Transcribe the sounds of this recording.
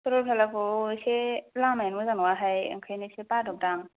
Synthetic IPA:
tɔɾɔpʰalakoselamajnmɯzanwaɦaja̰ŋkʰajnisepadɔp̚daŋ

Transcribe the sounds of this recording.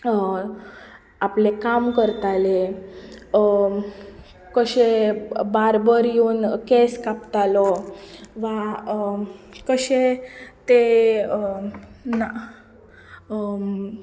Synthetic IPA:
aplekamkəɾt̪ale | kəɕebaɾbəɾjuːnkeskapt̪alɔ | ʋa | kəɕet̪e | na

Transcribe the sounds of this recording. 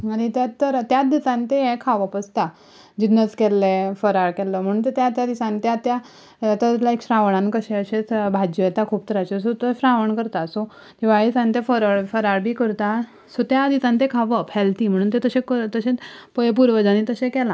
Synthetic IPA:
añit̪jaəɾt̪jat̪d̪isãnt̪eɦɛ̃kʰaʋəpəst̪a | d͡ʑinːət͡skɛlːefəɾaɾkɛlːəm̤əɽ̃uːnt̪ət̪jat̪jad̪isãnt̪jat̪ja | t̪at̪laekɕɾãʋəɳ̃ankəɕẽəɕẽt͡sbʱad͡ʑjɔɛt̪akʰuːb̚t̪əɾat͡ɕesot̪əɕɾaʋəɳkəɾt̪aso | t̪iʋaisant̪jefəɾaɽfəɾaɾbʱiːkəɾt̪a | sot̪jad̪isãnt̪ekʰaʋəpʰɛlt̪im̤əɽ̃uːnt̪et̪əɕekət̪əɕẽpəp̬uɾʋəd͡zanit̪əɕẽkɛlã

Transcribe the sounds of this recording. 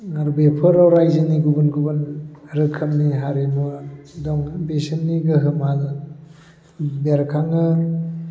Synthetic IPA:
ŋaɾbepʰɯɾawɾajziniɡubɯnɡubɯnɾɯkʰɯmniɦaɾenmɔdɔŋbesɯnːiɡɯɦɯmhalɯ | beɾkʰaŋɯ

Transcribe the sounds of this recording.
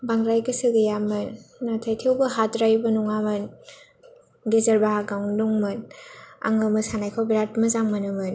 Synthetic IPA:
baŋɾajɡɯsɯɡɯjamɯnːatʰajtʰewbɯɦatɾajbɯnuŋamɯn | ɡezɐɾbaɦaɡaŋnuŋmɯna̰ŋɯmɯsanajkʰawbiɾat̚mɯzaŋmɐnɯmɯn

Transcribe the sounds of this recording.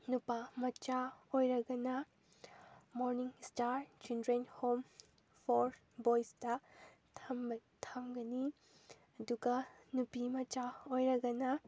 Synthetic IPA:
nupamɐt͡ʃaojɾɐɡɐnɐ | moɾniŋstaɾt͡ʃindɾenhom | pʰoɾ | bojsdɐ | tʰɐmbɐtʰɐmɡɐni | ɐduɡɐnupimɐt͡ʃaojɾɐɡɐnɐ

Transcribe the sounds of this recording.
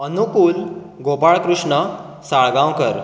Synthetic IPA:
ənukuːl | ɡopaɭkɾuʂɳə | saɭɡãwkəɾ

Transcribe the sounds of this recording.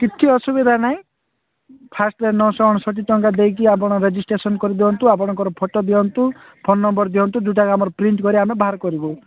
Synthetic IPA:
kit̪ʰiɔsubid̪ʱanaĩ | pʰasʈlenɔsɔɔɽ̃ɔsɔʈ̬it̪ɔŋkad̪ejk̬iap̬ɔɽ̃ɔɾed͡ʒisʈɾesɔnkɔɾid̪eɔnt̪uap̬ɔɽ̃ɔŋkɔɾɔpʰɔʈɔd̪iɔnt̪u | pʰɔnːɔmbɔɾd̪iɔnt̪ud̪uʈ̬aɡamɔɾɔpɾiɳʈkɔɾiamebaɦaɾkɔɾibu

